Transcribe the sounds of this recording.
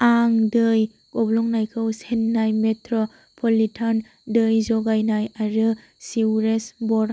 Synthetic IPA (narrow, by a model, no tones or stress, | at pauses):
aŋdɯj | kɔblɔŋnajkʰɯwsenːajmetʰɾɔ | pʰolitʰan | dɯjzɔɡajnajaɾɯ | siwɾesbɔɾ